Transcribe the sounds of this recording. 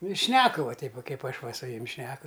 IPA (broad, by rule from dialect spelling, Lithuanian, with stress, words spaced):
nʊ ɪ ˈʃʲnʲæːkʊ ʋɐ ˈtʲɛɪp ʋɐ ˈkɐɪp ˈɐʃ ˈʋɐ sʊ ˈjʊmʲ ˈʃʲnʲæːkʊ